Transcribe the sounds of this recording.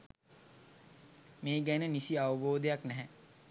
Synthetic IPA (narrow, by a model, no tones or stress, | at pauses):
meːɡænənisiaʋəboːd̪ejaknɛɦɛ